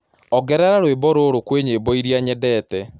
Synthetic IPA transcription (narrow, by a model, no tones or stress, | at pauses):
ɔɡɛɾaɾaɾwebɔɾoɾokweɲebɔiɾiaɲɛdɛːtɛ